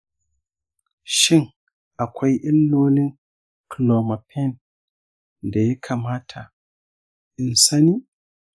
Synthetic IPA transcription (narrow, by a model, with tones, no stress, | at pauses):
ʃɪ˦ŋ | ʔa˨kʷʰa˦jʔɪ˦nːoː˦nɪ˦ŋ | kloː˨ma˨pʰɛ˦n | da˨ja˦kʰa˨maː˦tʰa˨ | ʔɪ˨nsa˦niː˦